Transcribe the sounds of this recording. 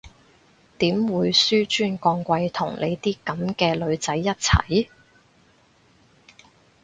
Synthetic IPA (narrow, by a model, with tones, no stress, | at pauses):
t̪iː˨˥mwuː˨˧jsyː˥t͡ʃyː˥nkɔː˧ŋkʷɐ˧jt̪ʰʊ̰˨˩ŋlʔe˨˧jt̪iː˥kɐ˨˥mkɛː˧lɵ˨˧ɥt͡sɐ˨˥jːɐ˥t̚t͡sʰɐ̰˨˩j